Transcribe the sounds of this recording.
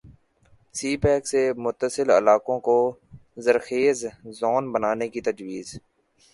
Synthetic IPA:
siːpɛːksemʊt̪ːəsɪlə̰laːkõkozəɾxeːzzɔːnbənaːnekit̪ɐd͡ʒwiːz

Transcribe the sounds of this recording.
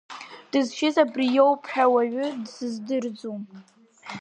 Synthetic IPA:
d̥ɨzʃɪzabrijowpʰħᶣawaɥʷʊdsɨzdɨrd͡zum

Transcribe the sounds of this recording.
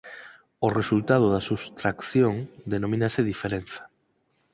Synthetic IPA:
oresult̪að̞oðasust̪ɾakθjoŋd̪enomĩnaseðifeɾenθḁ

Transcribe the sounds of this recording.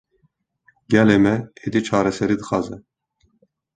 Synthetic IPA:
ɡɛlemɛed̪it͡ʃʰɑːɾɛsɛɾid̪ɨxɑːzɛ

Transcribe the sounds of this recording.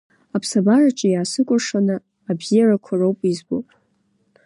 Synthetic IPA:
apʰsabarat͡ʃʼɪjaːsɨkʷʼʊʂanɨ | abzijarakʷʰarowpʼizbowpʼ

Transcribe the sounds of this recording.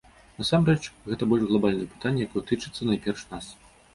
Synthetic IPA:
nɐsamɾɛt͡ʂɣɛt̪ɐbɔlʲʐɣlˠabalʲnɨjɛpɨ̥t̪anʲːɐjakɔjɛt̪ɨt͡ʂɨt̪sːɐnajpʲɛrʂnas

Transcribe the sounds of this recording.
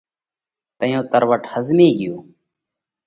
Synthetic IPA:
t̪əjõːt̪əɾʋəʈhəzmiːɡɪjuː

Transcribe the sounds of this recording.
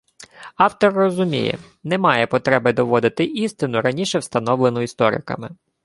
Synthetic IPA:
ɑwt̪ɔrːɔzʊmʲḭjɛ̰ | nɛmɑjɛpɔt̪ɾɛbɪd̪ɔʋɔd̪ɪt̪ɪʔist̪ɪnʊɾɐnʲiʃɛwst̪ɐnɔwlenʊist̪ɔɾɪ̰kɐ̰mɪ

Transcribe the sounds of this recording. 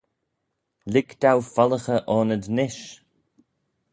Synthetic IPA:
lɪkt̪awfaləxəʔɔːnəd̪nɪʃ

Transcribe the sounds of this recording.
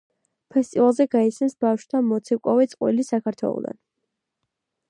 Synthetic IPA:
pʰɛst̪ʼivalˠzɛɡaisɛnsbafʃt̪ʰamɔt̪sʰɛkʼɔvɛt̪sʼqʼwḭlisakʰaɾt̪ʰwɛ̰lˠɔ̰d̪a̰n

